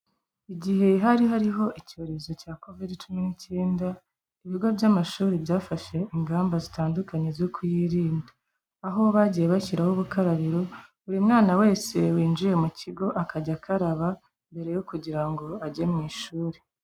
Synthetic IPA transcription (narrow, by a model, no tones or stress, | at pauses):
iɟiɦe̞ɦaɾiɦaɾiɦo̞ʔico̞ɾe̞zo̞caːko̞vidt͡ʃuminice̞ːnda | iβiɡo̞bjamaʃuːɾebjaːfaʃe̞iŋɡaːmbazitaːndukaɲezokʰujiɾiːnda | aɦoβaɟijeβaciɾahoβukaɾaβiɾo̞ | uɾimŋaːnawe̞ːse̞wiːnd͡ʒije̞muciɡo̞ʔakaɟakaɾaβa | mbe̞ɾe̞jokuɟiɾaŋɡo̞aɟe̞mŋiːʃuːɾe̥